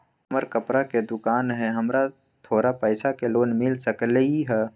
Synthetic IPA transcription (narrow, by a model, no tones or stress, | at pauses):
məɾkəpɾaked̪ʊkaːnɦɛɦɐmɾa | t̪ʰoːɾapɛːsakeloːnmɪlsəkliɦɛː